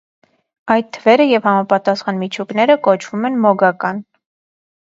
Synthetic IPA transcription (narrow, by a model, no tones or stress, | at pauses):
ɑjt̪̚t̪ʰːəvɛɾəjɛvhɑmɑpɑt̪ɑsχɑnmit͡ʃʰuknɛɾəkɔt͡ʃʰv̥umɛnmɔɡɑkɑn